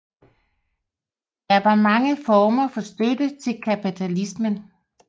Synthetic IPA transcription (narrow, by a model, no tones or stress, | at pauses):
d̥ɑɐʋɑ̈mɑ̈ŋəfɒːmɐfɒ̽sd̥ødət͡sʰe̝lkʰæpʰit͡sʰælismən